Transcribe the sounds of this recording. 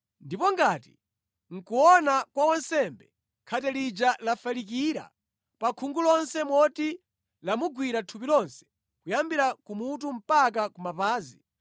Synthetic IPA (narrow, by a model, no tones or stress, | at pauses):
ndipɔŋɡaːti | ŋ̩kuwɔnakwawɔnsɛmbɛ | kʰatɛlid͡ʒalafalik̬iɾa̰ | pakʰuŋɡulɔnsɛmwɔti | lamuɡwiɾatʰupilɔnsɛ̥ | kujambiɾakumut̬um̩pak̬akumapaːzi